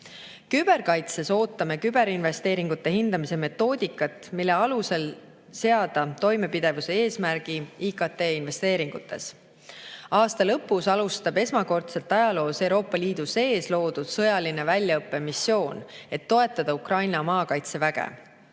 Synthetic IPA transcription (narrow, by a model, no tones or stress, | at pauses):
kyb̥e̞ɾkɑjt̪se̞so̞ːt̪ːɑme̞kyb̥e̞ɾinve̞st̪e̞ːɾiŋɡ̥ut̪ːe̞hind̪̥ɑmise̞me̞t̪ːˑo̞ːd̪̥ʲikːˑɑt̪ːˑmilːe̞ɑluse̞l | se̞ɑd̪̥ɑt̪o̞jme̞pid̪̥e̞vuse̞e̞ːsmæɾɡ̥iikɑt̪ːe̞ːinve̞st̪e̞ːɾiŋɡ̥ut̪ːe̞̰s | ɑːst̪ɑlɤpːusɑlust̪ɑbe̞smɑko̞rt̪se̞lt̪ːˑɑjɑlo̞ːse̞wɾo̞ːpˑːɑliːd̪̥use̞ːslo̞ːd̪̥ud̪̥sɤ̞jɑlinevælʲjɑɤpːˑe̞misːjo̞ːne̞t̪ːo̞e̞t̪ːˑɑd̪̥ɑukrɑjnɑmɑːkɑjt̪se̞væɡ̥ḛ